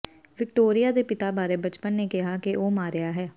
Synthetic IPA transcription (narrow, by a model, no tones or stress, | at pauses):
ʋɪk̚ʈoːɾijaːd̪eːpɪt̪aːbaːɾebət͡ʃpənːekɪɦakeʔoːmaːɾɪjaːɦɛː